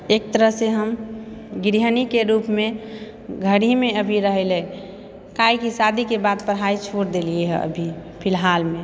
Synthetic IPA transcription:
ek̚t̪əɾəɦseɦəmɡɾiɦənikeɾupme | ɡʱəɽimeəbʱiɾəɦelɛ | kaikisad̪ʱikebad̪pəɽɦait͡ʃʰoɾd̪elieɦɛ̰ə̰bʱipʰɪlɦalme

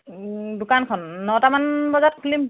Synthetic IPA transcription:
dʊkankʰɔnːɔtamanbɔzat̚kʰulim

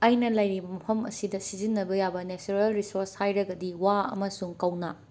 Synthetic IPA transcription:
ɐjnɐlɐjɾibɐmɐpʰɐmɐ̰sidɐsizinːɐbɐjabɐnet͡ʃuɾelɾisoɾshajɾɐɡɐdiwaɐ̰mɐsuŋkɐwnɐ

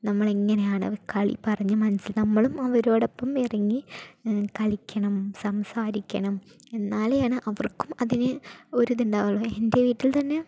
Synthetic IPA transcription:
nɐmːɐɭeŋːɐnejaːɳɨ̰kɐɭḭpɐrɐɲːɨmɐnɐsːilnɐmːɐɭumɐʋɐɾo̞ːɽopːɐmirɐŋːi | kɐɭikʲːɐɳɐmsɐmsaːɾikʲːɐ̰ɳɐm | e̞nːaːlejaːɳɨʔɐʋɐrkumɐðinɨo̞ɾuðuɳɖaːʋɐɭːoːe̞nde̞ʋiːtːilt̪ɐnːe

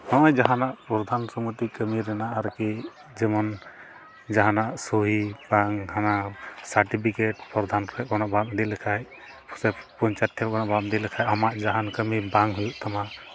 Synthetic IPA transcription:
nɔjd͡ʒaɦanaʔpɾɔd̪ʱansɔmut̪ikəmiɾɛnaʔaɾki | d͡ʒɛmɔn | d͡ʒaɦanaʔsuɦibaŋhanasaɾʈipʰikeʈ̚pɾɔd̪ʱankɔɛkɔnaʔbamd̪ilɛkʰaj | pʰsɛpɔɲt͡ʃat̪ʰːɛkɔnabamd̪ilɛkʰajamaʔd͡ʒaɦankəmibaŋɦujuʔt̪ʰama

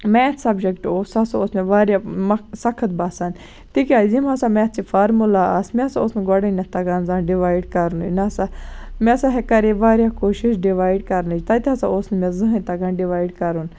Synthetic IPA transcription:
mɛt̪ʰsɐbd͡ʒekʈoːsasaoːsmeʋaːɾjamɐsɐkʰət̪̚baːsaːn | t̪ikʲaːzimasamɛt̪t͡ʃifaːɾmulaasmɛɐsaoːsnɡoɽɐnɐt̪ɐɡaːnzanɖiʋaːiɖkɐɾnnɐsamẽɐsaɦɛkɐɾeʋaːɾjakoːʃiʃɖiʋaːjɖkɐɾnɨd͡ʒt̪ɐt̪iɐsaoːsnmezɨɦɐ̃nt̪ɐɡaːnɖiʋaːiɖkɐɾun

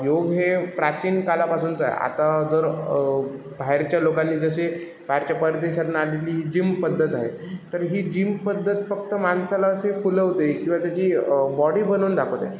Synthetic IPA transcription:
joɡɦepɾat͡ɕiːnkalapasunt͡saḛa̰t̪ad͡zəɾ | bʱaeɾt͡ɕjalokãnːiːd͡zəɕe | bʱaeɾt͡ɕjapəɾət̪eɕad̪naaleliːɦiːd͡ʑimpəd̪ʱːət̪aɦe | t̪əɾɦiːd͡ʑimpəd̪ʱːət̪fək̚t̪əmansalasefuləʋt̪ekĩw̃ʋat̪jat͡ɕiːbɔɽiːbənuːnd̪akʰəʋt̪a̰

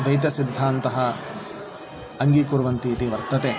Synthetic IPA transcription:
d̪ɐjt̪̬ɐsid̪ʱːaːnt̪ɐɦɐ | ɐŋɡikuɾʋɐnt̪iːt̪iʋɐɾt̪ɐt̪eː

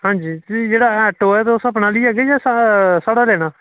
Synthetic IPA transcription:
ɦãːɲd͡ʒiːt̪id͡ʒeːɽaːɛːʈoːɛːt̪eʊsəp̬naːliːaːɡɛjaːsasaːɽaːlɛːɽ̃aː

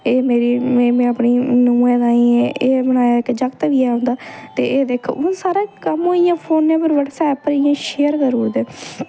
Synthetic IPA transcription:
eːmeːɾiːmeːmɛ̃ːəpɳiːnuːẽːd̪aːĩːɛ̃ːʔeːbəñaːjaːɪkd͡ʒəkt̪ʋiːɛːɦõːnd̪aːt̪eːeːd̪eːkʰːʊsaːɾaːkəmɦoːijãːpʰoːnːẽːpəɾʋəʈsɛːpəɾiãːʃeːəɾkəɾuːd̪eː

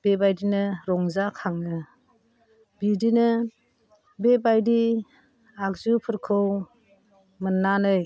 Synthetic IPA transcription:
b̥ebajdinɯɾɔŋzakʰaŋnɯ | bidinɯ | bebajdi | akzupʰɯɾkʰɯw | mənːanɯj

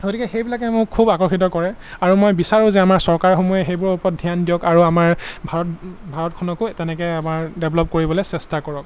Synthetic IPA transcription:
ɡotʰikɛxejbilakɛmʊkʰːubakɔɹxit̬ɔkɔɹɛ | aɹumojbisaɹʊ̃zɛamaɹsɔɹkaɹxomujɛxejbʊɹupɔɔt̚dʱijandijɔkaɹuamaɹbʱaɹɔtbʱaɹɔtkʰɔnɔkʊtɛnɛkɛamaɹdɛblɔp̚koɹibɔlɔsɛstakɔɹɔk̚

